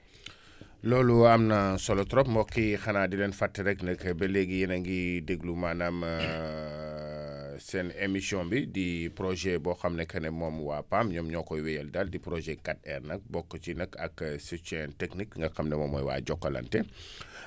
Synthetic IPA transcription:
lɔːluɐmnɐsɔlɔtɾɔp̚mbɔkːixɐnaːdilɛːnfatːiɾɛknɐkbɛlɛɡijinɐŋɡideɡlumaːnɐm | sɛnemisjɔ̃mbidipɾɔʒɛbɔxɐmnɛkʰɐnɛmɔmwaːpamɲɔmɲɔkɔjwɛjɛldaldipɾɔʒɛkat̚ɛrnɐk̚bɔkːət͡ʃinɐkɐksit͡ʃɛntɛknikŋɡɐxɐmnɛmɔmɔjwa̰ːɟɔkːɐlɐ̰ntɛ

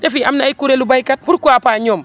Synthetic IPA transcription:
defiamnaːjkuɾelubajkat̚buɾkuapaːɲoːm

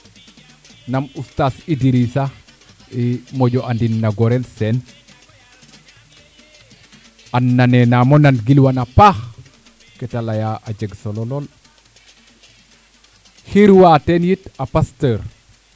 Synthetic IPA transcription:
namustasidiɾisa | imoɟoʔandinːaɡɔɾelsɛn | anːanenamonanɡilwanapax | kɛtalajaʔad͡ʒeɡsolɔlol | hiɾwatenjitapastəɾ

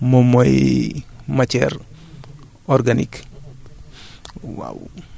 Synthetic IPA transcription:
momoj | mat͡ʃɛɾ | ɔɾɡanḭk | wa̰w

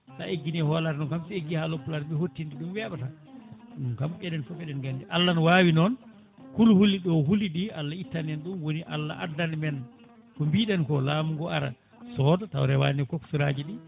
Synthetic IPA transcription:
ta̰ʔeɡːinihɔlatnɔnkamsieɡːihalɔpːulaɾɓɛhotːindiɗumwɛɓata | ɗumkamɓɛɗɛnfɔfɛɗɛnɡandiʔalːanwawinɔn | kulhulːiɗɔɦuliɗialːaitːanɛnɗumwoniʔa̰lːa̰ʔa̰dːanmɛn | kɔmbiɗɛnkɔlaːmuɡɔaɾa̰ | sɔdata̰wɾɛwa̰ːnɛkoksuɾaːd͡ʒiɗi

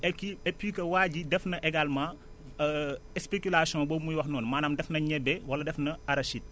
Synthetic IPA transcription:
ɛkiɛpːiːkɐwaːɟidɛfnɐʔɛɡalmɐ | ɛspekulasijɔ̃bɔmujwɐxnɔːnmaːnaːmdɛfnɐɲɛbɛwɐlɐdɛfnɐɐɾɐʃit̚

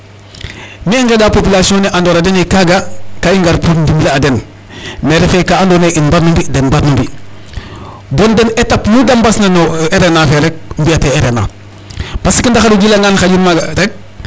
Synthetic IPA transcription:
mieŋɡedaːpopilasioniʔandoɾadenikaɡakaiŋɡaɾpɾotndimbileaden | meɾefekaandoneʔinbaɾnumbidenbaɾnumbi | bondenetapnudambasnanoeɾenafeɾek̚mbiateeɾena̰ | pasikindaxaduɟilaŋɡanxaɟinmaɡaɾek̚

